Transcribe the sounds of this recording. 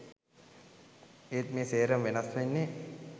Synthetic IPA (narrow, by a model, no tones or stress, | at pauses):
eːt̪meːseːɾəmʋenɐsʋenːe